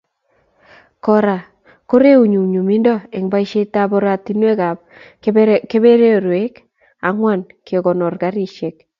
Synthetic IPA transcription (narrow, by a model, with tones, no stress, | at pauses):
kɔ˨ɾa˨ | ko˦ɾe˦u˨ɲu˨ɲu˨mi˦ndɔ˦e˨ŋba˦i˦ʃe˦ta˦bɔ˦ɾa˨ti˦nwe˦ka˨p̚ | ke˦be˦ɾe˦˨ɾwe˦k | a˦ŋwa˦˨nkʰe˨ɡɔ˨nɔ˨rɡa˨˦ɾi˦ʃe˨k̚